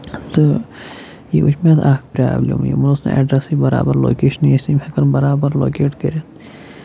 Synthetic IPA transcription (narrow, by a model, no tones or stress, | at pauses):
t̪ɨ | jiʔut͡ʃʰmet̪ʰaːkpɾʲa̰ːblʲɐ̰mjḭmɐlosnɐ̰ʔḛːɖɾɐsibɐɾa̰ːbɐɾlo̰ːkeːʃɐnijesimʲhɐkɐnbɐɾaːbɐɾlo̰ːkeːʈkəɾʲɐt̪